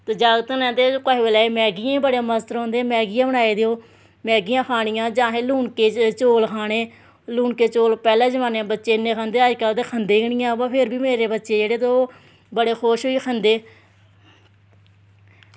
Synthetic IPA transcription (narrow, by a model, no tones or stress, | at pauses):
t̪eːd͡ʒaːɡt̪ənɛ̃ːnt̪eːkaːɦeʋelaːeːmɛːɡɪjãːbəɽẽːməst̪əɾɦõːnd̪ẽːmɛːɡɪjãːbəɽ̃aːeːd̪eoː | mɛːɡijãːkʰaːɽ̃ijãːd͡ʒãːɦeːluːɳkeːt͡ʃoːlkʰaːɽ̃eː | luːɳkeːt͡ʃoːlpɛːlẽːd͡ʒəʋaːneãːbətːʃeːɪnːeːkʰãːnd̪eːəd͡ʒkəlt̪eːkʰənd̪eːɡəɳɪjãːbãːpʰɪɾbiːmeːɾeːbətːʃeːd͡ʒeːɽeːt̪oː | bəɽeːxʰoːʃɦoːiːkʰənd̪eː